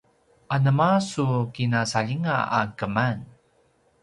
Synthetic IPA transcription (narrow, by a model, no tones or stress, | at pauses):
ʔanəmasukinasaʎiŋaa̰kəman